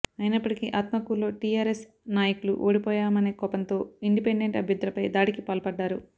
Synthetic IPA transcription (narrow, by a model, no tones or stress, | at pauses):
ɐjnɐpːɐʈikiʔaːt̪mɐkulo̞ːʈiaːɾes | naːjɐkulṵʔoːɽipɔːjaːmɐne̞ːɡɔpɐnt̪o̞ːiɳɖipeɳɖeɳʈɐbʱjɐd̪ɾɐpɐjd̪aːɽikipaːlpɐɖːaːɾu